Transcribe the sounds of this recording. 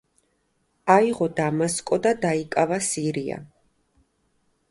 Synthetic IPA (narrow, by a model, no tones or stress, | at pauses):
aiʁɔd̪amaskʼɔd̪ad̪aikʼavasiɾia̰